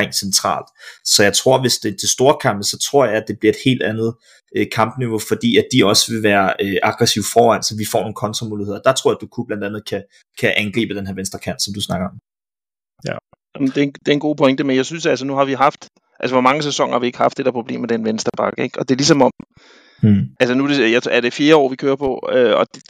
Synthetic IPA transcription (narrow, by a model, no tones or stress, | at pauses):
eŋ̰̥sent͡sʰʁɑ̰̈ːld̥sɒ̽jɑ̈ɪt͡sʰʁo̝ɐ̰ʋe̝sd̥e̝t͡sʰesd̥o̝ːɐkʰɑ̈mb̥əsɒ̽t͡sʰʁo̝ɐ̰jɑ̈ɪæd̥e̝b̥liɐe̝d̥he̝̰ːld̥ænð̞̩ˠ | økʰɑ̈mb̥niʋo̝fɒ̽d̥ḭːæd̥iɒ̽səʋe̝ʋæːɐøʔɑ̈ɡ̥ʁɛsiʊfɒːʋæn̰sɒ̽ʋifɒ̰ːno̝ːn̩kʰɒ̽nt͡sʰʁɐmuːliheð̰ˠd̥ɑ̈t͡sʰʁo̰ɐæd̥ukʰub̥lænd̥ænð̞̩ˠkʰæ | kʰæʔænɡ̥ʁḭːbəd̥enɦeæɐʋensd̥ɐkʰæɐn̥sɒ̽md̥usnɑ̈ɡ̥ɐɒ̽m | æmnd̥e̝d̥e̝nɡo̝̰ːpʰɒ̽eŋd̥emenjɑ̈ɪsynsæls̬ənuɦɑ̈ʋiɦɑ̈fd̥ | ʔælsəʋɒmɑ̈ŋəsesɒ̽ŋ̰ɐhɑ̈ʋie̝ɡ̥əhɑ̈fd̥e̝ɾ̥æɐpʰʁo̝b̥le̝̰ːmed̥enʋensd̥ɐb̥ɑ̈ɡ̥əeɡ̥ɒ̽d̥e̝lisɒ̽mɒ̽m̰ | ælsənud̥e̝jäæɐɾ̥e̝fje̝ːɐɒ̰ːʋikʰøːɐpʰɒ̽øɒd̥